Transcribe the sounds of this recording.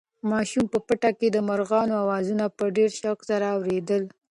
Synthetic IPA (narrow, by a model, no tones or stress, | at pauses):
mɑʃumpəpəʈaked̪əmaɾɣɑnoawɑzunapəɖeɾʃaksaɾaːwɾed̪əl